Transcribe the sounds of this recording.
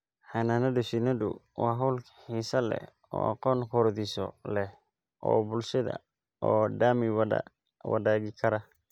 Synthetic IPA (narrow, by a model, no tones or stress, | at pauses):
ħanaːnɐdɛʃinɐdʊ̰wɑːɦɐwlkʰɐ̥ħiːsɐlɛ̰ | ɔ̰ːɑqɔːŋkʰɔɾðisɔ̰lɛh | ʔɔːbʊlʃɐðɐ̰ | ɔːɖaːmɪw | wɑ̰ðaːɣɪkʰɐɾɐ